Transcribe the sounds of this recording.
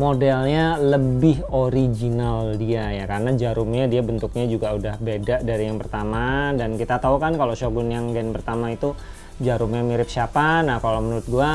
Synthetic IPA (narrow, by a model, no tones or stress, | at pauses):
modɛlɲaləbɪɦoɾid͡ʒinaldiajakaɾənad͡ʒaɾʊmɲadiabənt̪ʊk̚ɲad͡ʒuɡaudahbedaʔdaɾijaŋpərt̪amadankit̪at̪aukankaloʃoɡʊnjaŋɡɛnpərt̪amait̪u | d͡ʒaɾʊmɲamiɾɪp̚ʃiapanahkalomənuɾʊt̪̚ɡua